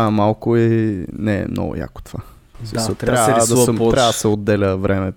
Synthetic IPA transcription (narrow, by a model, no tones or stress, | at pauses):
amalˠkʊɛnɛ̰mnɔ̰ɡʊ̰ja̰kʊ̥t̪ova | smisət̪ɾaad̪ɐt̪ɾavəd̪ɐsɛod̪ːɛlʲəvɾʔɛmɛ